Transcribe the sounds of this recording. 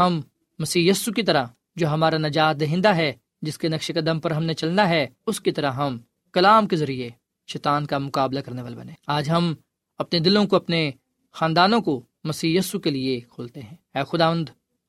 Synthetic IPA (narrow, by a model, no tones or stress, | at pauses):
ɦɐmː | ɐsiːjɐsukit̪ɐɾa | d͡ʒoːɦɐmaːɾanɐd͡ʒaːt̪̚d̪ɐɦɪ̃ːnd̪aɦɛ | d͡ʒɪskenɐkʃekɐd̪əmpɐɾɦɐmnet͡ʃɐlnaɦɛ | ʊskit̪ɐɾaɦɐm | kɐlaːmkezɐɾie | ʃɛːt̪aːnkamʊkaːblakɐɾneʋaːlebɐ̰nẽːaːd͡ʒɦɐm | ɐpned̪ɪlõkoɐpne | xaːnd̪aːnõko | mɐsiːjɐsukeliekʰoːlt̪eɦɛ̃ːɛːxʊd̪aːʋə̃nd̪